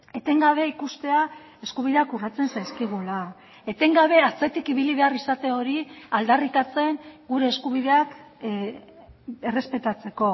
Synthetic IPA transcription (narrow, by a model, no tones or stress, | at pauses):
e̞t̪e̞ŋɡaβ̞e̞ikust̪e̞a | e̞skuβ̞iðe̞akurat͡se̞nsajskiɣ̞ula | e̞t̪e̞ŋɡaβ̞e̞at͡se̞t̪ikiβiliβ̞e̞arisat̪e̞o̞ɾiald̪arit̪at͡se̞ŋɡuɾe̞ːskuβ̞ið̞e̞ak | e̞re̞spe̞t̪at͡se̞ko̞